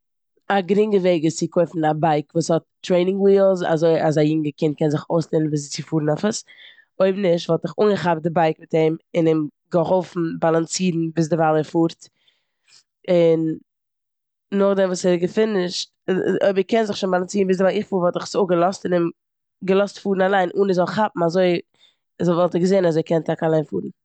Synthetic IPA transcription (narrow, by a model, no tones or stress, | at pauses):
aɡɾɪŋɡəveɪɡət͡sɪkʰoɪfn̩abaɪkvuːshɔt̚tːɾeɪnɪŋwiːlˠza̰zoɪʔazajɪŋɡəkɪnt̚kɛnzɪχoʊsleːnn̩biːs̬t͡sɪfuːɾn̩afəs | oɪbnɪʃtvɔlˠtɪχuːŋɡəχab̚dɪbaɪkmɪtɛmɪnɪm | ɡəɦɔlˠfn̩balˠant͡siːɾn̩biːs̬dɪvalˠɛfuːɾt | ɪn | ʊχdɛmvuːsɛɡəfɪnɪʃt | o̰bɾɪkɛnzɪχʃʊnbalˠant͡siːɾn̩bɪːsdɪvalˠɪχfuːɾvɔlˠtɪχsoɡəlˠɔstɪnɪm | ɡəlˠɔstfuːɾn̩alˠaɪnʔunɪzɔlˠχapm̩azoɪ | zɔlˠvɔlˠtəɡəzeːnazoɪkʰɛntʰakalˠaɪnfṵːɾn̩